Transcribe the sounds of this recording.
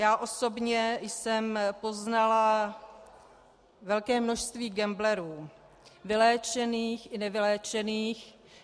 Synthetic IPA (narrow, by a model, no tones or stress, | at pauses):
jaːʔo̞so̞bɲɛjsɛmpo̞znala | vɛlkɛːmno̞ʃst̪viːɡɛmblɛɾuː | vɪlɛːt͡ʃɛniːxʔɪnɛvɪlɛːt͡ʃɛniːx